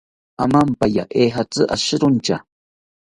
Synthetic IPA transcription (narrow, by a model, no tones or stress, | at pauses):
amampaja̰ʔeɦat͡sɨʔaʃɪɾʊnt͡ʃa̰